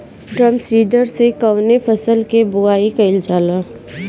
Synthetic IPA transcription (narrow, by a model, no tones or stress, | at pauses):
ʈɾə̃mpsiːɖəɾsekəʊnepʰəsəlkebʊaːikɐɪld͡ʒaːlaː